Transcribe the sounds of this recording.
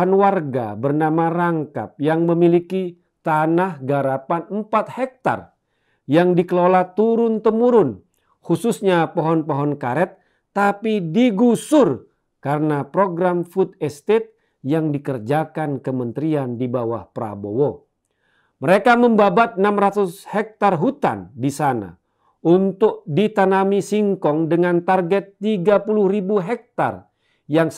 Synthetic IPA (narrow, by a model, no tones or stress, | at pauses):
anwarɡa̰bərnamaɾaŋka̰p̚jaŋməmiliki | t̪anahɡaɾapanəmpat̪̚hɛk̚t̪a̰r | jaŋdikəlolat̪uɾʊnt̪əmuɾʊn | hususɲapoɦɔnpɔɦɔnkaɾɛt̪̚ː | apidiɡusʊr | kaɾənapɾoɡɾamfut̪̚ɛst̪ɛt̪̚ | jaŋdikərd͡ʒakankəmənt̪ɾiandibawahpɾa̰bowo | məɾekaməmbabat̪̚ənamrat̪ushɛk̚t̪arɦut̪a̰ndisana̰ | unt̪ʊk̚dit̪anamisiŋkɔŋdəŋant̪arɡɛt̪ːiɡapuluhribuɦɛk̚t̪a̰r | jaŋ